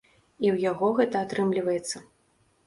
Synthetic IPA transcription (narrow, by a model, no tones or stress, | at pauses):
iwjaɣɔɣɛt̪ɐat̪ɾɨmlʲivɐjɛt̪sːɐ